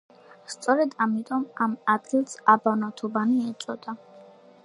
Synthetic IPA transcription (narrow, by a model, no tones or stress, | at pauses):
st̪sʼɔɾɛd̪amit̪ʼɔmamad̪ɡilˠsabanat̪ʰubaniɛt̪sʼɔd̪̥a